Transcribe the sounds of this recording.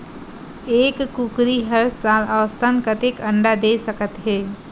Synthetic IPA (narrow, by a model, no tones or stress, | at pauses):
eːkːukɾiɦəɾsaːləʋst̪ʰankət̪ekə̃ɳɖad̪esəkət̪ɦeː